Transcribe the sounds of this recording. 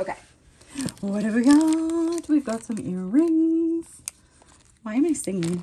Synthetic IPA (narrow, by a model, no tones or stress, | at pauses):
oʊkʰeɪ | wˠwʌɾɨvwiɡɑtʰwivɡɑtsʌ̃mɪɹːɪ̃ŋz̥ | maɪ̃maɪsɪ̃ŋɪ̃ŋ